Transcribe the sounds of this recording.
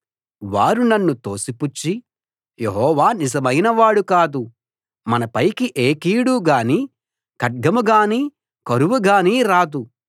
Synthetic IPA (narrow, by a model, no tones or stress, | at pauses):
ʋaːɾunɐnːut̪o̞ːsiput͡ʃːi | jeɦɔːʋaːnizɐmɐjnɐʋaːɽukaːd̪u | mɐnɐpɐjkiʔeːkiːɽuɡaːniː | kɐʈ̚ɡɐmuɡaːniː | kɐɾuʋuɡaːniːɾaːd̪u